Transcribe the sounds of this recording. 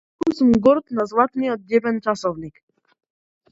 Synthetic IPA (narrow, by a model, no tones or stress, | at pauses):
usumɡɔɾt̪nazwat̪niɔd̪̚d͡ʑɛvɛnt͡ʃasɔvnʲik